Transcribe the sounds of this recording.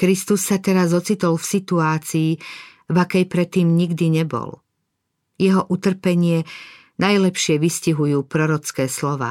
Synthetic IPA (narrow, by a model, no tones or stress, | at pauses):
kɾist̪usːat̪ɛɾazɔt͡sit̪ɔlfsit̪uaːt͡siː | vakɛjpɾɛt̪ːiːmɲiɡd̪iɲɛbɔ̰l | jɛɦɔʔut̪r̩pɛɲɪɛ | najlɛpʃɪɛʋisciɦujuːpɾɔɾɔt͡skɛːslɔʋa̰ː